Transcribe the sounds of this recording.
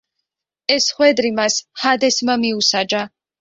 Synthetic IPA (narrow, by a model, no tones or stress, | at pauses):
ɛsχwɛd̪ɾimashad̪ɛsmamiusad͡ʒa